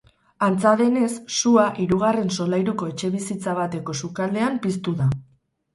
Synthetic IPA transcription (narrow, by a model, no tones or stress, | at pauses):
ant͡saðe̞ne̞sːuaʔiɾuɣare̞nso̞lajɾuko̞e̞t͡ʃe̞βisit͡saβat̪e̞ko̞sukald̪e̞ampist̪uða